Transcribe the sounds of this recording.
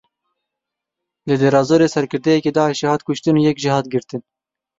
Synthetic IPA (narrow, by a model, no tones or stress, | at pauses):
led̪eɾɑːzoːɾeːsɛɾkɨɾd̪ɛjɛkeːd̪ɑːʔeʃɛhɑːt̪kʊʃt̪ɨnuːjɛkʒihɑːt̪ɡɨɾt̪ɨn